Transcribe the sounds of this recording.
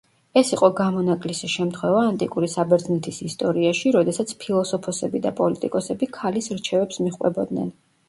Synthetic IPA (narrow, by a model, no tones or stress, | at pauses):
ɛsiqʼɔɡamɔnakʼlisiʃɛmt̪ʰχwɛvaːnt̪ʼikʼuɾisabɛɾd̪znit̪ʰisist̪ʼɔɾiaʃiɾɔd̪ɛsat̪sʰpʰilˠɔsɔpʰɔsɛbid̪a̰pʼɔlit̪ʼḭkʼɔsɛbikʰalisɾt͡ʃʰɛvɛpsmiχwɛ̰bɔd̪nɛ̰n